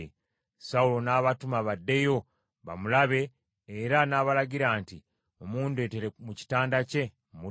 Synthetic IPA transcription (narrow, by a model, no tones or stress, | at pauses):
saulo̞naːβatumaβadːe̞jo̞ | βa̰mulaβe̞ː | ɾanaːβalaɟiɾaːnti | o̞muːndue̞ːteɾemuci̥taːndace̞ | mu